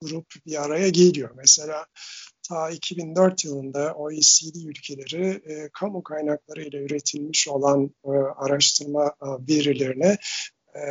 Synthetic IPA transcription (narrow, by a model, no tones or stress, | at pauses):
ɡ̥uɾupbiaɾajaɟelʲijo̞ɾmɛse̞lʲaːt̪ʰaːicʰibind̪øɾt̪jɯlˠɯnd̪aʔo̞isiːlʲiːylʲcʰe̞lʲe̞ɾikʰamukʰajnaklˠaɾɯjlʲˠayɾe̞t̪ʰilʲmiʃo̞lˠanaɾaʃt̪ʰɯɾmaveɾilʲe̞ɾinɛ